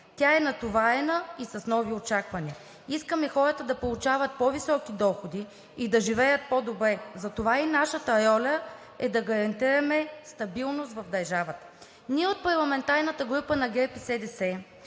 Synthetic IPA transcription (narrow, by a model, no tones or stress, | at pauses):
t̪ʲaɛnɐt̪ovaɛnəisɐsnɔviot͡ʃakvɐniə | iskəmɛxɔɾət̪əd̪ɐpolˠut͡ʃavɐt̪̚pɔvisɔkid̪ɔxod̪iː | d̪ɐʒivɛjət̪̚pɔd̪obɾɛzɐt̪ovainaʃət̪əɾɔlʲə | ɛd̪ɐɡɐɾɐnt̪iɾɐmɛst̪ɐbilˠnost̪vɐfd̪ɐɾʒavət̪ə̥ | niɛot̪̚pɐɾlˠɐmɛnt̪aɾnɐt̪əɡɾupənɐɡɛpisɛd̪ɛsɛ